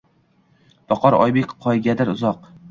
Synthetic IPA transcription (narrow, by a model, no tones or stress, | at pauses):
b̥ɒqʰɒɾɒ̰jbekʲqʰːɒjɡʲad̪aɾʊzɒq